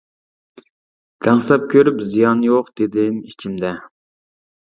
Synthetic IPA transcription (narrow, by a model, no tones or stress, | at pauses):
d̪̥æŋsɛp̚kʲʰøɾypzijɑnjoqd̪ed̪ɪnit͡ʃʰimd̪ɛ